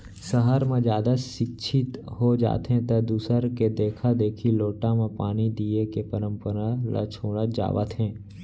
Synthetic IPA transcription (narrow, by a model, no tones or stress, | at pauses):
səɦəɾmẽd͡ʒjaːd̪aʃɪkt͡ʃʰɪt̪ɦod͡ʒa̰ːt̪ɦɛ̃t̪ɐd̪uːsəɾked̪eːkʰad̪eːkʰiloːʈãmẽpaːnid̪iekepəɾə̃mpəɾala̰t͡ʃʰoːɽ̃ad͡ʒa̰ːʋə̰t̪ɦɛ̃ː